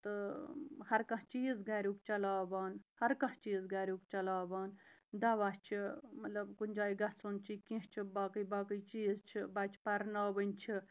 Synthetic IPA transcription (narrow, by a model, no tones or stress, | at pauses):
t̪ɨ | hɐɾkɐ̃ɦt͡ʃiːzɡaːɾʲukt͡ʃɐlaːbaːnhɐɾkɐ̃ht͡ʃiːzɡaːɾʲukt͡ʃɐlaːbaːnd̪ɐʋat͡ʃʰimɐt̪lɐbkunʲd͡ʒaːiɡɐt͡sʰont͡ʃʰikĩt͡ʃʰibaːkəjbaːkəjt͡ʃiːzt͡ʃʰibɐt͡ʃʰpɐɾnaːʋənʲt͡ʃʰi